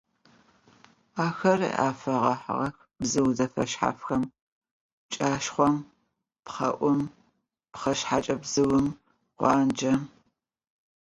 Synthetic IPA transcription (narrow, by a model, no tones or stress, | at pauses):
aːxɐr̰a̰ːfɐʁɐħʁɐx | bzɨwzɐfɐ̰ʃħa̰fxɐm | t͡ʃʼaːʃχʷɔm | pχɐ̰ʔʷʊm | pχɐʃħat͡ʃʼɐbzɨwʊm | qʷɑːnd͡ʒɐm